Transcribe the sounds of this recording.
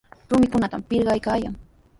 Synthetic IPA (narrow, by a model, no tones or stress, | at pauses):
ɾʊmɪkʊnat̪ampɪɾɢɑjkaːjaŋ